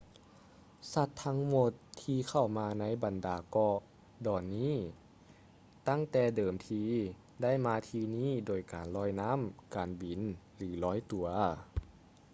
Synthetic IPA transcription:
sa˧t̪ʰːa˦˥ŋmo˧˩t̪ʰːiː˧kʰa˧˥˩wmaː˧na˦˥jba˨ndaː˨˩kɔ˧ʔ | dɔː˨˩nːiː˥˨ | t̪a˥˩ŋt̪ɛː˧˩dɤː˨˩mt̪ʰiː˧ | da˥˩˨jmaː˧t̪ʰiː˧niː˥˩doː˨˩jkaː˨nlɔː˧˥jna˦˥˨mkaː˨˩nbi˨˩n | lɯː˨˩˦lɔː˧˥˨jt̪u˨˩ɐ

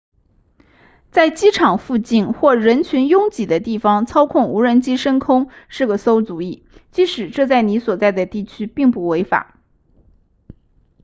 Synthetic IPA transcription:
t͡sa˥˩ɪt͡ɕi˥ʈ͡ʂʰɑ˨˩ŋfu˥˧t͡ɕi˥˩nxwɔ˥˩ɻə˧˥nt͡ɕʰy˧˥njʊ˥ŋt͡ɕi˨˩d̪ə˦t̪i˥˩fɑ˩ŋt͡sʰɑ˥ʊkʰʊ˥˩ŋu˧˥ɻə˧˥nt͡ɕi˥ʂə˥nkʰʊ˥ŋʂɻ̩˥˩ɡə˩so˥ʊt͡su˨˩i˥˩ | t͡ɕi˧˥ʂɻ̩˨˩ʈ͡ʂɤ˥˧t͡sa˥˩ɪni˧˥swɔ˨˩t͡sa˥˩ɪd̪ə˩t̪i˥˩t͡ɕʰy˥pi˥˧ŋpu˥˩we˧˥ɪfa̰˨˩˦

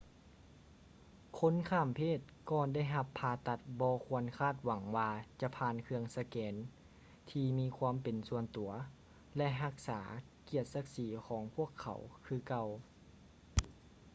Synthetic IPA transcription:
kʰo˧˥nkʰaː˧˩˨mpʰeː˥˩t̪̚kɔː˧nda˥˩jɦa˧pʰːaː˧t̪a˧t̪̚bɔː˧kʰu˧˥˧ənkʰaː˥˩t̪̚wa˩˦ŋwaː˧t͡ɕa˧˦pʰaː˧nkʰɯ˧əŋsa˧kɛː˨˦n | t̪ʰiː˧miː˧˥kʰwaː˧˥˨mpe˨nsu˧ənt̪u˨˩˦ɐ | lɛ˧ʔɦa˧k̚saː˩˦ | ki˧˩ət̪̚sa˧˥k̚siː˨˩˦kʰɔː˩˦ŋpʰu˥˩əkʰːa̰˨˩˦wkʰɯː˧˩ka˧w

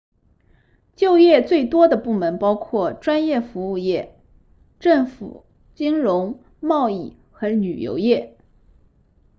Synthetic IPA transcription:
t͡ɕjo˥˧ʊjɛ˥˧t͡swe˥˩ɪt̪wɔ˥d̪ə˨pu˥˩mə˧˥npɑ˥ʊkʰwɔ˥˩ʈ͡ʂwa˥njɛ˥˩fu˧˥u˥˧jɛ˥˩ | ʈ͡ʂɤ˥˩ŋfṵ˨˩ | t͡ɕi˥ŋɻʊ˧˥ŋ | mɑ˥˧ʊi˥˩ | xɤ˧˥ny˨˩jo̰˧˥ʊjɛ˥˩

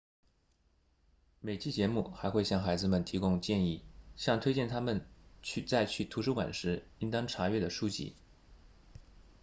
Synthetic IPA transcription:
me˨˩ɪt͡ɕʰi˥˩t͡ɕjɛ˧˥mu˥˩xa˧˥ɪxwe˥˧ɪɕjɑ˥˩ŋxa˧˥ɪd͡zɹ̩˧mə˨˩nt̪ʰi˧˥kʊ˥ŋt͡ɕjɛ˥˧ni˥˩ɕjɑ˥˧ŋt̪ʰwe˥ɪt͡ɕjɛ˥˩nt̪ʰa˥mə˨nt͡ɕʰy˥˧t͡sa˥˧ɪt͡ɕʰy˥˩t̪ʰu˧˥ʂɻu˥kwa̰˨˩nʂɻ̩˧˥i˥nt̪ɑ˥ŋʈ͡ʂʰa˧˥ɥɛ˥˩d̪ə˩ʂu˥t͡ɕḭ˧˥˩

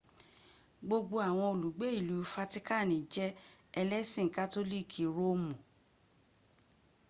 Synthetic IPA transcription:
ɡ͡bo˧ɡ͡bo˧a˨w̃ɔ̃˧o˨lu˨ɡ͡be˨˦i˦˨lu˨˦fa˧ti˦ka˦˨nĩ˨d͡ʒɛ˦ | ɛ˧lɛ˦sĩ˦˨ka˦to˦li˦˨kʰi˨ɾo˦mũ˨

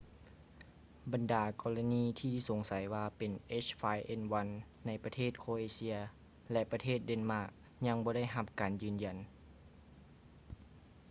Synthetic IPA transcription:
ba˨ndaː˨˩kɔː˧la˧niː˧˥t̪ʰiː˧˩so˨˦ŋsa˨˦jwaː˧pe˨˩nʔe˦˥˩t͡ʃfaː˧jʔe˧˨nwa˧˥nː | a˧˩jpa˧t̪ʰeː˥˩t̪̚kʰoː˧ʔeː˧si˧˥ɐ | lɛ˧ʔpa˧t̪ʰeː˥˩t̪̚de˧˥nmaː˧˥˩k̚ | ɲa˧ŋbɔː˧ɾa˥˩jɦa˧p̚kaː˨njɯː˨˩nja˨˩n

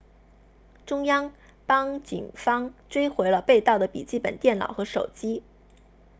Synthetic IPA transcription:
ʈ͡ʂʊ˥ŋjɑ˥ŋ | pɑ˥ŋt͡ɕḭ˨˩nŋfɑ˥ŋʈ͡ʂwe˥ɪxwe˧˥ɪlə˧pe˥˧ɪt̪ɑ˥˩ʊd̪ə˩pḭ˨˩t͡ɕi˥˩pə̰˨˩nt̪jɛ˥˩nlɑ̰˨˩ʊxɤ˧˥ʂo˨˩ʊt͡ɕi˥

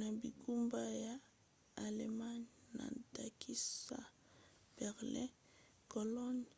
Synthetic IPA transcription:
na˨bi˨ku˦mba˦jaː˨ | le˨ma˦nna̰˨da˨ki˦sa̰˦ | b̥ɛ˨ʁlɛ̃˦ | ko˨lɔ˦n

